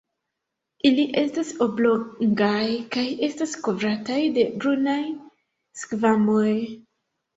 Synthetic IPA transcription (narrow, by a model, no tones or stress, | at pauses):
ʔiliʔe̞staso̞bloŋɡajkaje̞stasko̞vɾatajde̞bɾunaj | skvamo̞j